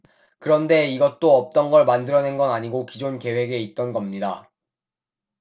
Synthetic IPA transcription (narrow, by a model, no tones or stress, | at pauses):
kɯɾʌnde̞iɡʌt͈oʌp̚t͈ʌnɡʌɭmandɯɾʌnenɡʌnaɲiɡokid͡ʑonke̞we̞ɡe̞it̚t͈ʌnɡʌmɲida